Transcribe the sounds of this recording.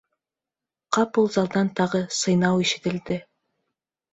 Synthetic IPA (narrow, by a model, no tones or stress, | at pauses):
qʰɑpulˠzɑlˠd̪ɑnt̪ʰɑʁəsɤjnɑwiʃet̪ɪ̆ld̪ɪ